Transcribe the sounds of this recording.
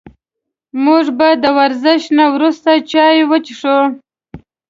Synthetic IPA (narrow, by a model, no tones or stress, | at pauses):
muʐbad̪əwaɾzɪʃnawɾust̪at͡ʃɑjwət͡ʃiʂo